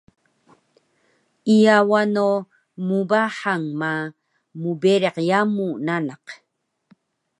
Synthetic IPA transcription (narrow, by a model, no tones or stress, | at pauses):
ijawano | mubaħaŋma | mubeɾeqjamunanaq